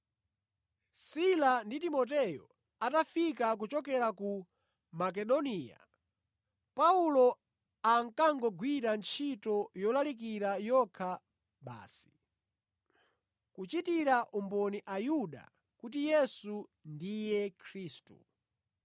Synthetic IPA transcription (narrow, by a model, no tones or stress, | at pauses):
silanditimɔt̬ɛjɔ̰ | atafikak̬ut͡ʃɔkɛɾaku | mak̬ɛɗɔnija̰ | paulɔ | aŋkaŋɡɔɡwiɾant͡ʃʰitɔjɔlalik̬iɾajɔkʰa | ɓa̰ːsi̥ | kut͡ʃitiɾaʔumbɔniʔajuɗa̰ | kut̬ijɛsundijɛkʰɾiːstṵ